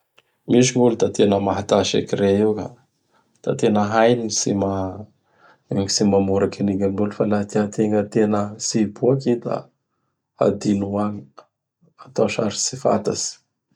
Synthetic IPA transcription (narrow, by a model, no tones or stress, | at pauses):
miʃiŋult̪at̪enəmaɦat̪aʃḛkiɾeiwka | t̪a̰t̪enəɦajnisima | isimamuɾakiniŋamulufalat̪eat̪eŋət̪enəsibuakid̪a̰ | a̰d̪inuaŋi̥ | at̪oʃaɾi̥sifa̰t̪a̰si̥